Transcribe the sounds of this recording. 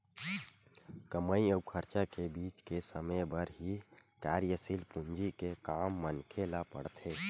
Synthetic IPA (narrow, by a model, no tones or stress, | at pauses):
kəməiəukʰəɾt͡ʃakebiːt͡ʃkesəməjbəɾɦikaːɾjəsilpũnd͡ʒikekaːmːənkʰelapə̰ɽt̪ʰeː